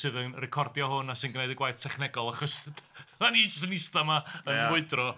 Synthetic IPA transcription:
sɨːðənrɛkʰɔrdjɔhʊnasɨnɡneɨdəɡwajθtʰɛχnɛɡɔlˠaχɔsmaniːd͡ʒəs̬tənɪstamaənwʊɨdrɔ

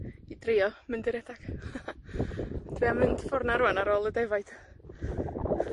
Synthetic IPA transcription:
idriːɔmɪndɪɾɛdaɡ̥ | dʰwiamɪndfɔrnaɾuanaɾoːlˠədɛvajd̥

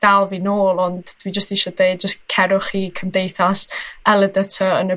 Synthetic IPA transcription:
d̥alˠvinoːlˠɔndːwid͡ʒəstiʃɔdejd̚d͡ʒəskʰɛɾʊχiːkʰəmdejθasɛlˠədətʰɔənə

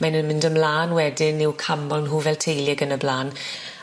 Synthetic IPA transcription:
manənmɪndəmlaːnwɛdɪnːɪwkʰamɔlˠnɦuːvɛlˠtʰejljɛɡənəblaːn

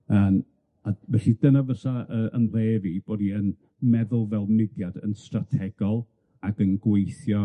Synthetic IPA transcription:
əːm | avɛɬidənavəsaəʔənreːvib̥oːdiən | mɛðʊlˠvɛlˠnɪdjadə̰nstratʰɛɡ̥ɔlˠ | aɡənɡwejθjɔ

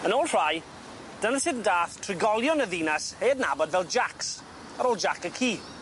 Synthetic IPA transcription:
ənoːlˠr̥aj | d̥ənəsɪdn̩daːθtʰrɪɡɔlˠjɔnəðinasheːdnabɔdvɛlˠd͡ʒaks | aɾoːlˠd͡ʒakəkʰiː

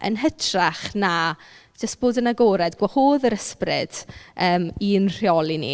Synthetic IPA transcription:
ʔə̰nɦətʰraχnḁ | d͡ʒəstb̥oːdənaɡoːɾɛdɡwahoːðəɾəsprɪ̰d̥əːminr̥iɔlˠinḭ

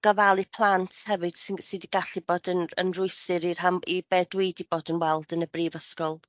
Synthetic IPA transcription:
ɡ̥əvalˠipʰlˠantʰhɛvɨd̥sɪsɨdiɡaɬiboːdənə̰nrʊɨsɨɾir̥amibɛdweɨdiboːdənwɛlˠdənəbriːvəskɔlˠ

